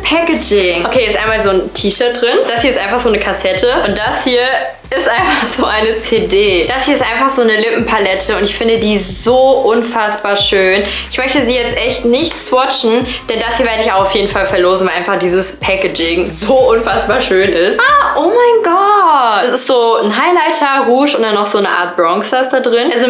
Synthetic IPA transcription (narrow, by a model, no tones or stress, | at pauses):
pʰɛkəd͡ʒɪŋʔokʰeːɛstʔaɪnmaːlzoːntʰiːʃœːɐt̚d̥ʁɪnd̥ashiɐɪstʔaɪnfaχz̥oːnəkʰasɛtʰəʔʊnt̚d̥ashiːɐ | ɪstʔaɪnfaχz̥oːʔaɪnət͡sedeːd̥ashiɐɪstʔaɪnfaχz̥oːnəlɪpm̩pʰalɛtʰəʊntɪçfɪndədiːzoːʔʊnfasb̥aːɐʃøːnʔɪçmœçtəziːjɛt͡stʔɛçtnɪçtt͡svɔt͡ʃn̩ | d̥ɛndashiːɐveːəɪçaʊxaʊfjeːdn̩falfɛɐloːzn̩vaɪlʔaɪnfaχd̥iːzəspʰɛkəd͡ʒɪŋzoːʔʊnfasb̥aːɐʃøːnɪstaʔoːmaɪnɡɔtasɪstz̥oːn̩ɦaɪlaɪtʰɐʁuːʃʔʊntd̥anːɔxz̥oːnəʔa̰ːɐt̚b̥ʁɔŋsasd̥adʁɪnazo